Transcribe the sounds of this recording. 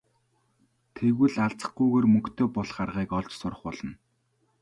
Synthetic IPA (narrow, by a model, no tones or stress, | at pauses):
t̪ʰeɣwɘ̆ɮaɮt͡sə̥̆χɡujɣeːrmɵ̆kt̪ʰeːpɔɮχarʁiːkɔɮt͡ɕsʊrə̆χpɔɮɞ̆n